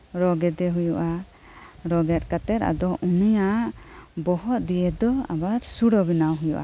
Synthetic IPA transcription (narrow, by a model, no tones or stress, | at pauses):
ɾɔɡɛd̪ɛɦujuʔa | ɾɔɡɛt̪̚ˀkat̪ɛɾa̰d̪ɔʔunijaʔbɔhɔt̪̚d̪ijɛd̪ɔa̰baɾsuɽɔbinawɦujuʔa̰